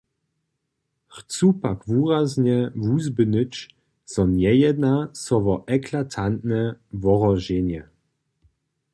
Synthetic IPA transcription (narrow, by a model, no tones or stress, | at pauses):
χt͡supakvuːʁazɲɛvuzbɨnɨt͡ʃ | sɔnjɛjɛd̪nasɔvɔʔɛkʰlatʰant̪nɛvɔʁɔʒenjɛ